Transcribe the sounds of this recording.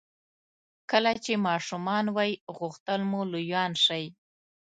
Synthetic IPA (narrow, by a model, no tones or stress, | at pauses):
kəlat͡ʃemɑʂumɑnwɑjɣʊxt̪əlmulujɑnʃaj